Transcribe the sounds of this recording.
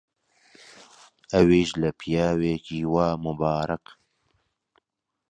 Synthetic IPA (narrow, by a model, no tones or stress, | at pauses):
ɐweːʒlɐpʰijaːweːkiːwaːmubaːɾɪq